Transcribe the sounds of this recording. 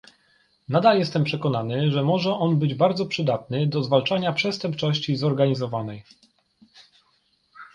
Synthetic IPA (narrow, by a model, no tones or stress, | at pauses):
nad̪aljɛst̪ɛmpʂɛkɔnanɘʐɛmɔʐɛʔɔnbɘd͡ʑbaɾd̪zɔpʂɘd̪at̪nɘd̪ɔzvalt͡ʂaɲapʂɛst̪ɛmp̚t͡ʂɔɕt͡ɕizɔɾɡaɲizɔvanɛj